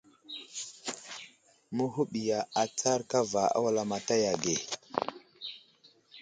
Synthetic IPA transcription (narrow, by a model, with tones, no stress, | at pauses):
mə˦ɦu˦ɓi˨ja˨a˨t͡sa˦ɾka˦va˨a̰˦wa˦la˨ma˨ta˦ja˨ɡe˨